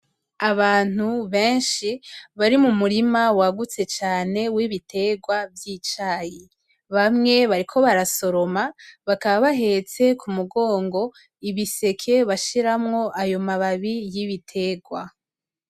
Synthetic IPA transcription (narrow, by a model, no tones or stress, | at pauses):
aβaːn̥uβe̞ːnʃiβaɾimumuɾimawaɡut͡se̞t͡ʃaːne̞wiβitʰe̞ːɡwavjit͡ʃaːji | βamŋe̞βaɾikʰo̞βaɾaso̞ɾo̞maβakaβaβaɦe̞t͡se̞kʰumuɡo̞ːŋɡo̞ | iβise̞kʰe̞βaʃiɾamŋo̞ʔajo̞maβaβijiβitʰe̞ɡwa